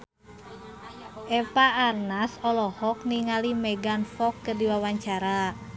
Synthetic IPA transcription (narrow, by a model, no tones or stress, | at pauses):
ʔɛpaʔːrnasɔlɔhɔk̚niŋalimɛɡanfɔkːədiwawaɲt͡ʃaɾa